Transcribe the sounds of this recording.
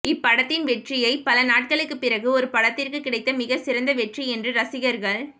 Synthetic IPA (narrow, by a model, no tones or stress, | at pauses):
ɪpːɐɽɐt̪ːɪnʋɛʈrɪjɐɪpːɐlɐnaːʈ̚kɐɭɯkːɯpːɪɾɐɣɯɔɾɯpɐɽɐt̪ːɪrkɯkːɪɽɐɪt̪ːɐmɪɣɐsɪɾɐnd̪ɐʋɛʈriɛndrɯɾɐsɪɣɐɾɣɐɭ